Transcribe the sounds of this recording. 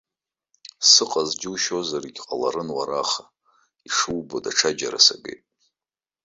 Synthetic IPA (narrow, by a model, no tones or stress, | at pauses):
sɨqʼazd͡ʒɪwʃo̞zariɡʲqʼalaɾɨnwaɾaχa | iʂɨwbodaʈ͡ʂʰad͡ʒaɾasaɡḛjtʼ